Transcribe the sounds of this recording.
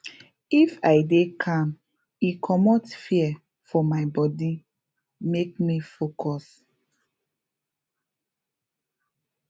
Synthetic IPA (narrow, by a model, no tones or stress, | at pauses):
ifaɪdekʰãm | ikʰɔmɔtfiɛ | fɔmaɪbɔdi | mek̚mifokʰɔs